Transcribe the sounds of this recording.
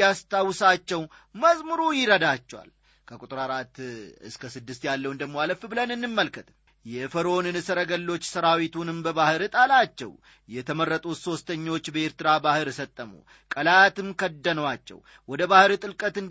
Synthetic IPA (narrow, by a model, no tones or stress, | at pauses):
ast̪ʰawsat͡ʃːɛwməzmɨɾujɪɾəd̪at͡ʃːɛwa̰l | kʰəkʼut̪ʼɨɾaɾat̪ɨ̰skʰəsɨd̪ːɨst̪jalːəwnd̪əɡmo̞aləfbɨlənɨnːɨmːəlkʰət̪ | jɛfəɾo̞nɨnɨsəɾəɡəlːo̞t͡ʃːsəɾawit̪ʰunɨmbəbahɨɾt̪ʼalat͡ʃːɛ̰w | jɛt̪ʰəmərːət̪ʼuso̞st̪ʰəɲːo̞t͡ʃːbəe̞ɾt̪ɨɾabahɨɾsət̪ʼːəmṵ | kʼəlat̪ɨmkʰəd̪ːənəwat͡ʃːɛ̰w | wɔd̪əbahɨɾt̪ʼɨlkʼət̪ɨn